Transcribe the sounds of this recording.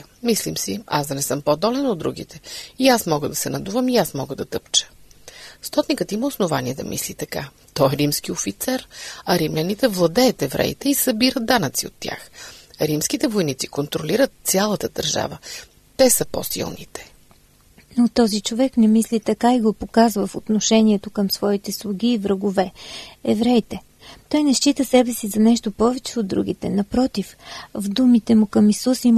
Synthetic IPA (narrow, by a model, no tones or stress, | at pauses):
mislimsia̰sd̪ɐnɛsɤmpod̪ɔlɛnod̪ːɾuɡ̟ḭt̪ɛiasmɔɡəd̪ɐsɛnɐd̪uvəmiasmɔɡəd̪ɐt̪ɤpt͡ʃə̥ | st̪ɔt̪nikət̪iməosnovaniɛd̪ɐ̰mʔḭslit̪ɐka | t̪ɔɛɾimsk̟iofit̪sɛɾɐɾimlʲɐnit̪ɛvlˠɐd̪ɛət̪ɛvɾʔɛ̰ḭt̪ɛisɐbiɾət̪̚d̪anət̪sio̰t̪ːja̰xɾimskit̪ɛvojnit̪sikont̪ɾoliɾət̪̚sʲjalˠət̪əd̪ɐɾʒa̰və | t̪ɛsəpo̰sḭlˠnit̪ɛ̥ | not̪ɔzit͡ʃovɛknɛmislit̪ɐkaiɡopokazvəfot̪noʃɛniɛt̪okɤmsvɔit̪ɛslˠuɡ̟iːvɾəɡovɛɛvɾɛjt̪ɛ | t̪ɔjnɛʃt͡ʃit̪əsɛbɛsizɐnɛʃt̪opɔvɛt͡ʃɛod̪̚ːɾṵɡ̟it̪ɛnɐpɾɔt̪ifvd̪umit̪ɛmukɐmisusim